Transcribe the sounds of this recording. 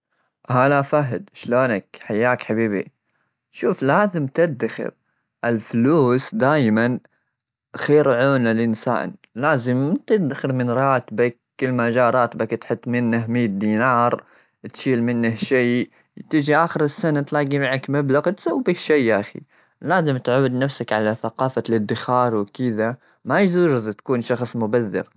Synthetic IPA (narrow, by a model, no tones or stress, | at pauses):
halafaɦɪd̪ʃloːnakħajːaːkħabiːbḭ | ʃuːflaːzɪmt̪ɪd̪axɪ̰ɾ | ʔɪlfluːsd̪aːjman | xeːɾʕuːnalɪnsa̰ːnlaːzɪmt̪ɪd̪axɪɾmɪnɾˤɑːt̪bak̚ːɪlmad͡ʒɑːɾˤɑːt̪bakt̪ħɪt̪ˤːmɪnːahmiːt̪̚d̪iːnɑːɾˤ | t̪ʃiːlmɪnːahʃiː | t̪ɪd͡ʒiʔaːxɪɾɪsːanat̪laːɡimaʕakmablaɣt̪sawːbakʃiːʔaxḭ | laːzɪmt̪ʕuːd̪nafsakʕalaθaqɑːfalɪd̪ːɪxɑːɾˤwɪkɪða | majzuːʒɪzt̪kuːnʃɑxsˤmʊbaðːɪ̰ɾ